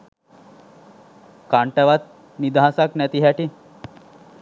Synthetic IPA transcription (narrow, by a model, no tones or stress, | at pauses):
kaɳʈəʋat̪̚ | nid̪aɦãsaknɛt̪iɦaʈi